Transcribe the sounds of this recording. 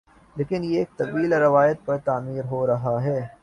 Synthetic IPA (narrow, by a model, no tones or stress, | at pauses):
leːkɪnjeeːk̚t̪ɐbiːlɾɐʋaːjət̪̚pɐɾt̪aːmiːɾɦoːɾɐɦaɦɛː